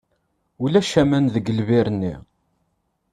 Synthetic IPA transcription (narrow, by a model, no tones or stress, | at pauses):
ulæʃæmænðəɡəlviɾənːi